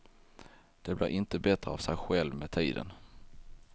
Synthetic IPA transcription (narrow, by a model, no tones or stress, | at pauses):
d̪̥ɛblɪɾʔɪnt̪əbɛt̪ɾəavsɛjɧɛlvmet̪ʰiːd̪ə̰n